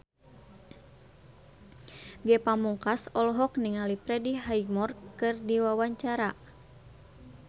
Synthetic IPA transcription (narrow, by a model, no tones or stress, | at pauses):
ɡɛpamuŋkasɔlɔɦɔk̚niŋalipɾɛdiɦaiɡmɔrkɨrdiwawaɲt͡ʃaɾa